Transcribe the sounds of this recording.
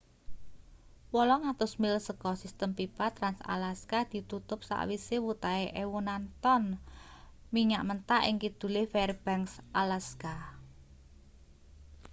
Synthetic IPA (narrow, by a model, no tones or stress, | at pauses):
wɔlɔŋat̪ʊsmilsəkɔsist̪əmpipat̪ɾansa̰laskad̪̥i̤t̪ut̪ʊp̚sa̰ʔwisewut̪aeʔewunant̪ɔn | miɲaʔmənt̪aʔɪŋkid̪̥ṳlefɛrb̥ɛŋksʔalaska